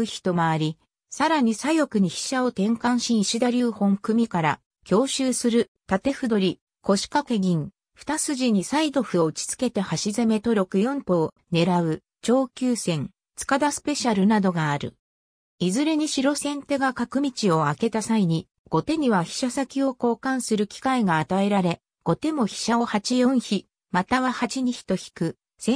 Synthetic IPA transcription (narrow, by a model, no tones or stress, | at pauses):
ɯ̟çʲi̥t̪o̞maːɾʲi | saɾaɲ̟isajo̞kɯ̟ɲ̟içi̥ɕao̞t̪ẽ̞ŋkãɰ̃ɕĩɕid̪aɾʲɨːhõ̞ŋkɯ̟mʲikaɾa | kʲo̞ːɕɨːsɨɾɯ̟t̪at̪e̞ɸɯ̟d̪o̞ɾʲi | ko̞ɕi̥kake̞ɡʲĩŋ | ɸɯ̟̥t̪asɨʑiɲ̟isaid̪o̞ɸɯ̟o̞ɯ̟t͡ɕi̥t͡sɨ̥ke̞t̪e̞haɕizeme̞t̪o̞ɾʲo̞kɯ̟jõ̞mp̪o̞ː | ne̞ɾaɯ̟ | t͡ɕo̞ːkʲɨːsẽ̞ŋ | t͡sɨ̥kad̪asɨ̥pe̞ɕaɾɯ̟nad̪o̞ɡaːɾɯ̟̰ | izɨɾe̞ɲ̟iɕiɾo̞sẽ̞nt̪e̞ɡakakɯ̟mʲit͡ɕio̞ake̞t̪asaiɲ̟i | ɡ̥o̞t̪e̞ɲ̟iβaçi̥ɕasakʲio̞ko̞ːkãɰ̃sɨɾɯ̟kʲi̥kaiɡaːt̪ae̞ɾaɾe̞ | ɡ̥o̞t̪e̞mo̞çi̥ɕaohat͡ɕijõ̞ɰ̃çi | mat̪aβahat͡ɕiɲ̟içi̥t̪o̞çi̥kɯ̟ | sẽ